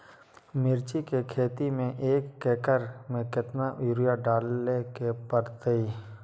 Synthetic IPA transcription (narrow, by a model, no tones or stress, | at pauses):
mɪɾt͡ʃikekʰeːt̪imẽʔeːkːeːkəɾmẽkɪt̪naʔʊːɾijaɖaːlːekepəɾt̪ei